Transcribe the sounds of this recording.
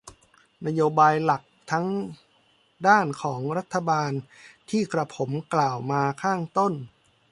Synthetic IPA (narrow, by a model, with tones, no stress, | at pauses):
na˧˥joː˧baː˧jla˨˩k̚t̪ʰa˦˥ŋ | daː˥˩nkʰɔː˩˦ŋɾa˦˥t̪ʰːa˧baː˧nt̪ʰiː˥˩kɾa˧pʰo˩˦mklaː˨˩wmaː˧kʰaː˥˩ŋt̪o˥˩n